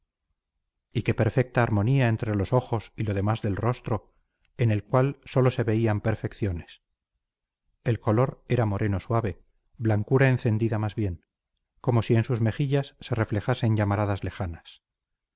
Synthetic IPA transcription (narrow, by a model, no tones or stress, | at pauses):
ike̞pe̞ɾfe̞k̚t̪aːɾmo̞niae̞nt̪ɾeloso̞xo̞silo̞ð̞e̞mazðe̞lro̞st̪ɾo̞ | e̞ne̞lkwalso̞lose̞βe̞iampe̞ɾfe̞kθjo̞ne̞s | e̞lko̞lo̞ɾe̞ɾamo̞ɾʔe̞no̞swaβe̞ | blaŋkuɾae̞nθe̞nd̪iðamazβje̞ŋ | ko̞mo̞sie̞nsuzme̞xiʎasːe̞re̞fle̞xase̞ɲʎamaɾaðazle̞xanas